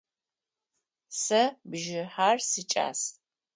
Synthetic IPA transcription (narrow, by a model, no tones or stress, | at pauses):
sɐbʒɪħaːrsɨt͡ʃʼa̰ːs